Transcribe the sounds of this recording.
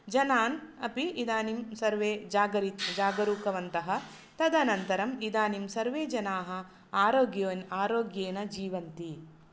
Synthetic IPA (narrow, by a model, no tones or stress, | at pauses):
d͡ʒɐnaːnɐpiid̪aːnimsɐɾʋeːd͡ʒaːɡɐɾit̪d͡ʒaːɡɐɾuːkɐʋɐnt̪ɐɦɐ̆ | t̪ɐd̪ɐnɐnt̪ɐɾɐmid̪aːnimsɐɾʋeːd͡ʒɐnaːɦɐ̆ | aːɾoːɡjoːnaːɾoːɡjeːnɐd͡ʒiːʋɐnt̪i